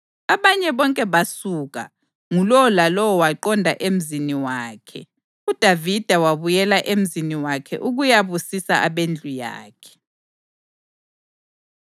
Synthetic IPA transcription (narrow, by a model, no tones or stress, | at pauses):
aβaɲɛβɔŋkʼɛβasuɣa̰ | ŋulɔɔlalɔwɔwaǃɔndʱaʔem̩ziniwaːkʰɛ̰ | ud̥ʱavid̥ʱawaβujɛlaʔem̩ziniwakʰɛ̰ʔuɣujaβusisaaβend͡ɮʱuja̰ːkʰɛ̥